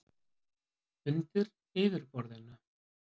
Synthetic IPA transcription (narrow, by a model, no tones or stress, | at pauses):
ʏnt̪ɪɾ | ɪːvɪɾpɔɾðɪnːa